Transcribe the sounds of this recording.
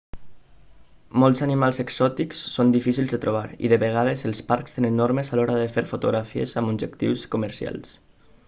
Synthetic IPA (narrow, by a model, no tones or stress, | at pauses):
mɔlˠzanimalˠzəkzɔt̪iksːond̪ifisilˠzðət̪ɾuβ̞aɾḭðəβəɣ̞aðəzəlˠspaɾkst̪enə̃nːɔɾməzalɔɾaðəfeɾfut̪uɣɾafiḛzəmunʒəkt̪iwskuməɾsia̰lˠs